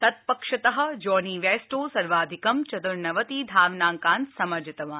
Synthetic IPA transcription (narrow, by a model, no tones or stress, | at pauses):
t̪ɐt̪̚pɐkʂɐt̪ɐɦɐ̆d͡ʒɔːniːʋeːsʈoːsɐɾʋaːd̪ʱikɐmt͡ʃɐd̪uɾnɐʋɐt̪iːd̪ʱaːʋnaːŋkaːnt̪sɐmɐɾd͡ʒɐt̪ɐʋɐ̃